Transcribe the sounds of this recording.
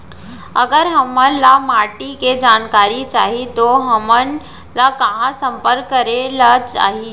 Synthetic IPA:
ɐɡəɾɦɐmənlamaːɾʈiked͡ʑaːnkaːɾit͡ʃaːɦit̪oɦɐmən | lakãɦãsɐ̃mpəɾkːəɾelat͡ʃa̰ːɦi

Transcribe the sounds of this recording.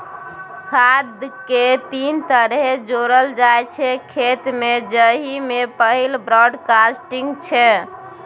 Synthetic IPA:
kʰad̪ket̪int̪əɾɦed͡ʒoɾəld͡ʒajt͡ʃʰɛkʰet̪med͡ʒəɦimepəɦilbɾɔɖkasʈiŋɡt͡ʃʰɛ

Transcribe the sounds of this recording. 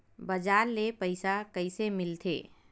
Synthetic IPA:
bɐd͡ʒaːɾlepəɪsakəɪsemɪlt̪ʰḛː

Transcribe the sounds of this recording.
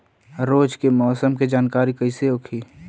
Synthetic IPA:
ɾoːd͡ʒkemɔːsəmked͡ʒaːnkaːɾikəɪseʊkʰiː

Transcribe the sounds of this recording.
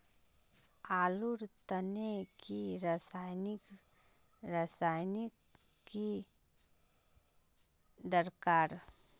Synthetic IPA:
aːluɾt̪ənekiɾasajnɪk | ɾasaːjnɪk | ki | d̪əɾkaːɾ

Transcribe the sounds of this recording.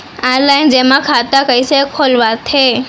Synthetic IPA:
aːɾlaːɪnd͡ʑeːmãkʰaːt̪akəisekʰoːlʋat̪ʰeː

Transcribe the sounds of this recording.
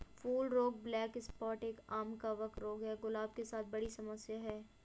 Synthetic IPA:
fuːlɾoːk̚blɛːkɪspɔːɾʈeːkaːmkaʋɐkt̪ɾoːkɦɛɡʊlaːb̚kesaːt̪̚ʰbɐɽisɐməsjaɦɛː

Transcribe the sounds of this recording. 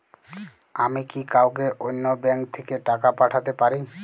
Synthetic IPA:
amikikawkeʔonːobɛŋkt̪ʰekeʈakapaʈʰat̪epaɾi

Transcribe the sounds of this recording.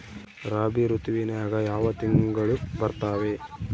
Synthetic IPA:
ɾaːbiɾut̪iʋinɐjaːɡɐjaːʋɐt̪iŋɡɐɭubɐɾt̪aːʋe̞

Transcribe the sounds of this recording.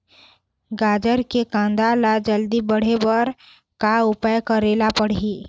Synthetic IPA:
ɡaːd͡ʒəɾkekãːnd̪alad͡ʒəld̪ibəɽ̤ebəɾ | kaʊpajkəɾeːlapəɽ̤i

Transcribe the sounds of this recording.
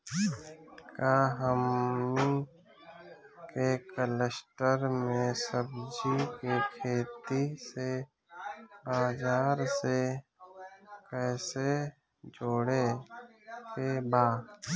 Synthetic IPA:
kaɦəmni | kekələsʈəɾmẽsəbd͡ʒikekʰeːt̪ise | baːzaːɾse | kɛːse | d͡ʒoːɽe | kebaː

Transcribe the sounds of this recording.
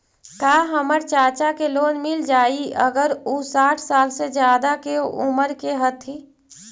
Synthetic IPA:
kaːɦəməɾt͡ʃaːt͡ʃakeloːnmɪld͡ʒaːiə̰ɡəɾusaːʈʰsaːlsed͡ʒjaːd̪akeṵməɾkeɦət̪ʰi

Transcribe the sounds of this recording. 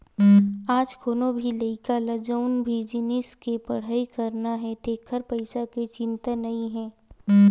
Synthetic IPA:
aːd͡ʒkʰoːnõbʱilɐɪkalɐd͡ʒəʊnbʱid͡ʒɪnɪskepɐɽ̤aːikɐɾnaɦɛt̪eːkʰəɾpɐɪsaket͡ʃɪ̃nt̪anɐĩɦɛ̃ː

